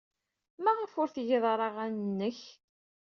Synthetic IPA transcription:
mæʁəfʊɾθjeðˤɾˤɑʁænənːəç

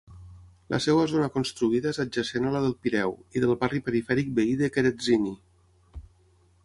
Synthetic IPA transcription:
lʔə̰sewazonakonst̪ɾuiðaezad͡ʒəsenalaðəlˠpiɾɛwiðəlˠβaripəɾifɛɾik̚beiðəkeɾezini

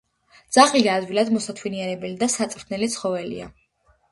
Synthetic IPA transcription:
d̪z̥aχliɡaːd̪wilˠad̪mɔsat̪ʰwiniɛɾɛbɛlid̪asat̪sʼɾt̪ʰnɛlit̪sʰχɔvɛlḭa̰

